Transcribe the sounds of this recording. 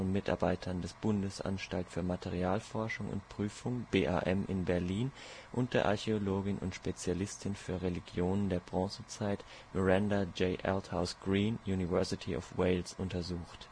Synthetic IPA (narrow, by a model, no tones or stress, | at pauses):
ɔnmɪtʔa̰ɐbaɪtʰɐndɛsb̥ʊndəsʔa̰nʃtaltfyːɐmatʰeʁiaːlfɔɐʃʊŋʊ̰ntpʁ̥yːfʊŋb̥eːʔa̰ʔɛmʔɪ̰nbɛɐliːnʔʊnt̚d̥eːɐʔa̰ɐçeoloːɡɪnʔʊ̰ntʃpet͡sjalɪstʰɪnfyːɐʁeliɡjoːnəndeːɐbʁɔ̃ːsət͡saɪt | mɔʁɛndad͡ʒeɪʔɛlthaʊsɡ̥ʁiːnjuːnivɛɐsɪtʰiʔɔ̰fweɪlsʔʊntɐzuːxt